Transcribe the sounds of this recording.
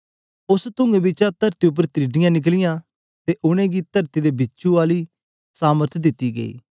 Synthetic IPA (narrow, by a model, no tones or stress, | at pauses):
ʊst̪ʊ̃ŋɡebɪt͡ʃat̪əɾt̪iʊp̬ːəɾt̪ɾiɖɪjãːnɪk̬lɪjãː | t̪eʔʊɽ̃ẽːɡit̪əɾt̪id̪eːbɪt͡ʃuaːliː | saːməɾt̪ʰd̪ɪt̪ːiːɡə̰ḭː